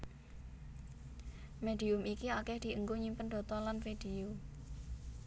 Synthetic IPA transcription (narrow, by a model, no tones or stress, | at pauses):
mediʊmikiakɛhd̪̥i̤əŋɡoɲimpənd̥̪ɔ̤t̪ɔlanfed̥eu